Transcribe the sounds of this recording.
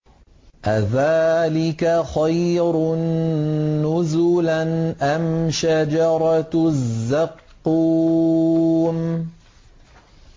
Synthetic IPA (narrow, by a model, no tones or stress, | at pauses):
ʔaðaːlɪkaxajɾʊnː | ʊzʊlanʔamʃad͡ʒɑɾˤɑzːɑqːuː | m